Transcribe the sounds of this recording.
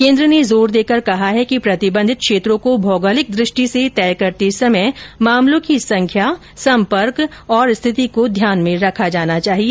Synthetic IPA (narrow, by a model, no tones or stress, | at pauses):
kẽːnd̪ɾənezoːɾd̪eːkəɾkɐɦaɦɛkipɾɐt̪ɪbə̃nd̪ʱɪt̪̚kʰʃeːt̪ɾõkobʱɔːɡəlɪk̚d̪ɾɪʃʈiset̪ɛːkɐɾt̪isɐməjmaːmlõkisɐ̃ŋkʰja | sɐ̃mpəɾkɔːɾst̪ʰɪt̪ikod̪ʱjaːnmẽɾɐkʰad͡ʒaːnat͡ʃaːɦie